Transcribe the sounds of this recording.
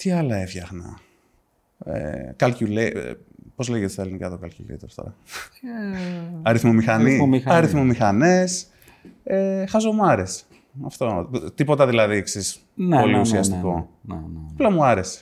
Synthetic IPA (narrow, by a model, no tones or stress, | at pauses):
t̪iɐlɐefçɐxnɐ̰ | ḛkɐlcule | po̞zleʝet̪est̪ɐelinikɐt̪okɐlcṵlḛjt̪oft̪o̰ɾɐ̰ | ɐɾiθmomixɐnimiɐɾiθmomixɐnes | exɐzo̞muɐɾe̞se̥ | ɐft̪o̞t̪ipo̞t̪ɐðilɐðieksis | npo̞liusiɐst̪iko̞nɐplɐmuɐɾe̞se̥